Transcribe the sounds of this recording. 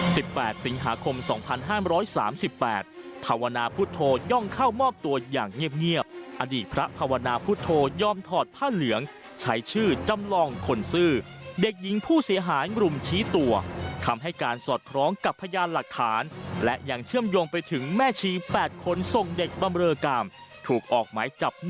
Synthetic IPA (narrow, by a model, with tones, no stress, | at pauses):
si˨˩pːɛː˨˩t̪̚si˩˦ŋɦa̰ː˩˦kʰo˧msɔ̰ː˩˦ŋpʰa˧nɦaː˥˩mɾɔː˦˥jsa̰ː˩˦msi˨˩pːɛ̰ː˨˩t̪̚pʰaː˧wa˧naː˧pʰu˦˥t̪ʰːoː˧jɔ˥˩ŋkʰa˥˩wmɔː˥˩p̚t̪u˧ɐja̰ː˨˩ŋːi˥˩əp̚ŋi˥˩əp̚ʔa˧diː˨˩t̪̚pʰɾa˦˥pʰaː˧wa˧naː˧pʰu˦˥t̪ʰːoː˧jɔː˥˩mt̪ʰɔː˨˩t̪̚pʰaː˥˩lɯ˩˦əŋ | t͡ɕʰa˦˥jt͡ɕʰɯː˥˩t͡ɕa˧mlɔː˧ŋkʰo˧nsɯː˥˩ | de˨˩k̚ji˨˦ŋpʰuː˥˩si˨˩˦ɐɦaː˩˦jɾu˨˩mt͡ɕʰiː˦˥t̪u˧ɐk̪ʰa˧mɦa˥˩jkaː˧nsɔː˨˩t̪̚kʰɾɔː˦˥ŋka˨˩pʰːa˧jaː˧nla˨˩k̚t̪ʰːaː˩˦nlɛ˦˥ʔja˧ŋt͡ɕʰɯ˥˩əmjo˧ŋpa˧jt̪ʰɯ˩˦ŋmɛː˥˩t͡ɕʰiː˧pɛː˨˩t̪̚kʰo˧nso˨˩ŋde˨˩k̚ba˧mɾɤː˧kaː˧mt̪ʰuː˨˩k̚ʔɔː˨˩k̚ma̰ː˩˦jt͡ɕa˨˩p̚